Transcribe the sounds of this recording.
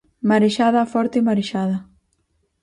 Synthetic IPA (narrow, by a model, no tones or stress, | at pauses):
maɾeʃaðafɔɾt̪emaɾeʃaða